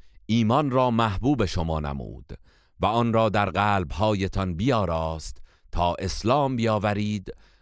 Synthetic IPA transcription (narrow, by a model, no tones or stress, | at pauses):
ʔiːmɒnrɒːmæhbuːbe̞ʃomɒːnæ̰mṵːd̪̥ | væɒnrɒːd̪æɾɢæːlbhɒːje̞t̪ʰɒnbijɒːɾɒːst̪ | t̪ʰɒːʔe̞slɒːmbijɒːvæɾiːd̪